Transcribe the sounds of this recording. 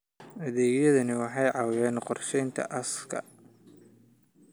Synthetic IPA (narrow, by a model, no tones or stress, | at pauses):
ɐðɛːɡjɐðɐnɪwɑħɑjʕɑwjɛːnqɔrʃɛjnt̪ʰɐ̰ʔɐskʰɐ̰